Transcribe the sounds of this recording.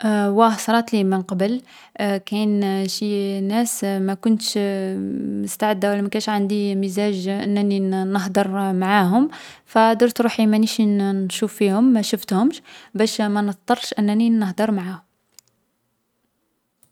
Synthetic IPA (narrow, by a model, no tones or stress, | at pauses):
wæsˤɑɾˤɑt̪limənqɑbəl | kænʃinæsmækʊnt̪ʃ | məst̪aʕəd̪ːawælæmækænʃʕand̪iməzæʒʔənːæninəɦd̪ˤəɾˤmaʕaɦʊmfæd̪əɾt̪ɾuħimæniʃinʃufːihʊmːæʃʊft̪hʊmʃbæʃmænət̪t̪ˤɑrˤːʃʔənːæninəhd̪əɾˤmaʕahʊm